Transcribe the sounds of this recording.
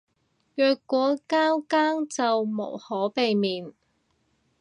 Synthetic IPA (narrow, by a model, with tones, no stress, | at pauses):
jœː˨˧kːʷɔː˨˥kaː˥wkaː˥ŋt͡sɐ˨wmo̰˨˩whɔː˨˥pe˨jmiː˨n